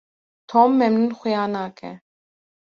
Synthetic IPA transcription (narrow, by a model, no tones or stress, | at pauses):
t̪ʰɔmːɛmnunχujanakʰɛ̰